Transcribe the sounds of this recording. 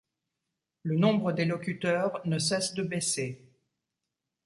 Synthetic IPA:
lənɔ̃bʁəd̪elɔkʲyt̪œʁnəs̬ɛsd̪əbɛse

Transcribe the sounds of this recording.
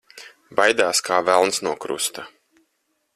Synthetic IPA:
bajd̪aːskʰaːvælˠnsnuɔkɾṵst̪ɐ

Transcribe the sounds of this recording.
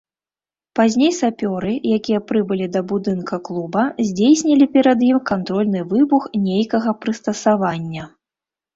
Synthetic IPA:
pazʲnʲejsapʲɔɾɨjakʲijɐpɾɨbɨlʲid̪ɐbud̪ɨnkɐklˠubɐzʲd͡zʲejsʲnʲɐlʲipʲɛɾɐd̪jimkant̪ɾɔlʲnɨvɨbuxnʲejkɐɣɐpɾɨst̪ɐsavanʲːɐ

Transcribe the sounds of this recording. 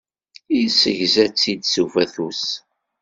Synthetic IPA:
isəʝzæt͡sːid̪suvæθus

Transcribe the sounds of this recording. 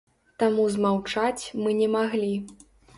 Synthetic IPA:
t̪amuzmawt͡ʂat͡sʲmɨnʲɛmaɣlʲi

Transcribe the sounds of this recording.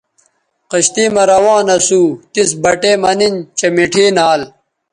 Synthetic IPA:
qɐɕt̪iːmɐɾɐwãːnɐsuːt̪isbɐʈeːmɐnint͡ɕɐmiʈʰiːnaːl

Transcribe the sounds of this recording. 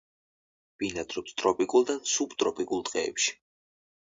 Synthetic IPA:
b̥inad̪ɾɔpst̪ʼɾɔpʼikʼulˠd̪asubt̪ʼɾɔpʼikʼulˠt̪ʼqʼɛ̰ːpʃi̥

